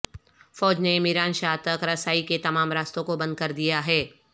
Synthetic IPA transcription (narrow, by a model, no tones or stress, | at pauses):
fɔːd͡ʒnemɪɾaːnʃaːɦt̪ɐkɾɐsaːiket̪ɐmaːmɾaːst̪õkobɐ̃nd̪̚kɐɾd̪ijaɦɛː